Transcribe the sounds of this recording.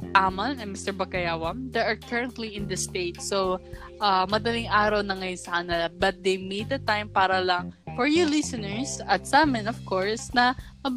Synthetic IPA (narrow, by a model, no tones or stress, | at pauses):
ʔamɐnɛmɪst̪ɛɹbɐkɐjaːwɐmd̪ɛʔɐɹkɐɹɐ̃nt̪liɪ̃nd̪ɐst̪eɪt̪̚so | ʔamɐd̪ɐlɪŋaːɾɐwnɐŋɐjonsɐanɐbɐt̪̚d̪ejmit̪̚d̪ɐt̪ãjmpaːɾɐlɐŋfɔɹjulɪsɐnɛɹsɐt̪sɐʔaːmɛ̃nɔv̥koɹsnɐmɐb